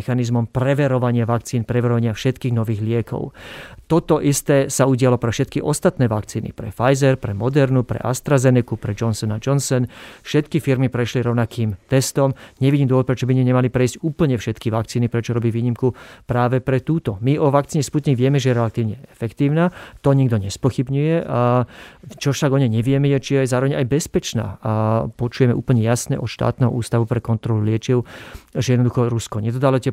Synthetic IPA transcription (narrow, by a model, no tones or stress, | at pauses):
xanizmɔmpɾɛʋɛɾɔʋaɲɪaʋakt͡siːnpɾɛʋɛɾɔʋaɲɪafʃɛt̪kiːɣnɔʋiːɣlɪɛkʰɔ̰ʊt̪ɔt̪ɔʔist̪ɛːsauɟɪalɔpɾɛfʃɛt̪kiʔɔst̪at̪nɛːʋakt͡siːnḭpɾɛ̰fajzɛɾpɾɛmɔd̪ɛɾnupɾɛ̰ʔa̰st̪ɾazɛnɛkupɾɛd͡ʒɔnsɔnad͡ʒɔnsɔnfʃɛt̪kifiɾmipɾɛʃliɾɔʊnakʰiːmt̪ɛst̪ɔmɲɛʋiɟiːmd̪wɔt̪̚pɾɛt͡ʃɔbiɲɛɲɛmalipɾɛiscuːpl̩ɲɛfʃɛt̪kiʋak̚t͡siːnipɾɛt͡ʃɔɾɔbiʋiːɲimkupɾaːʋɛpɾɛt̪uːt̪ɔmiʔɔʋakt͡siːɲɛsput̪ɲiɡʋɪɛmɛʒɛjɛɾɛlat̪iːʊɲɛɛfɛkt̪iːʊnat̪ɔɲiɡd̪ɔɲɛspɔxibɲujɛ | t͡ʃɔʃaɡɔɲɛɲɛʋɪɛmɛjɛt͡ʃijɛɛzaːɾɔʋɛɲajbɛspɛt͡ʃna̰ːpɔt͡ʃujɛmɛʔṵːpl̩ɲɛjasnɛ̰ʔɔt̪ʃt̪a̰ːt̪nɛɦɔ̰ʔuːst̪aʋupɾɛkɔnt̪ɾɔlulɪɛt͡ʃɪɛʊʒɛjɛd̪nɔd̪uxɔɾuskɔɲɛd̪ɔd̪alɔt̪ɛ